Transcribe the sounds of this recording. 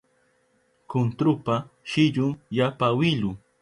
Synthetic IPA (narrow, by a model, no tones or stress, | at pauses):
kʊnt̪ɾʊpaʃɪʎʊŋjapawɪʎʊ